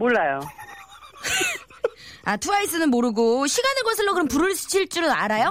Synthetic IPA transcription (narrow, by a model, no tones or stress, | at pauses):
moɭːajo | atʰuaisʰɯnɯnmoɾɯɡoɕʰiɡanɯnɡʌsʰɯɭːokɯɾʌmpuɾɯɭs͈ʰɯ̥t͡ɕʰiɭt͡ɕ͈uɾonaɾajo